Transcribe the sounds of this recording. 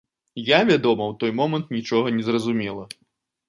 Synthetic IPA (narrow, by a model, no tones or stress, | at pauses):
javʲad̪ɔmɐwt̪ɔjmɔmɐnt̪nʲit͡ʂɔɣɐnʲɛzrɐzumʲɛlˠɐ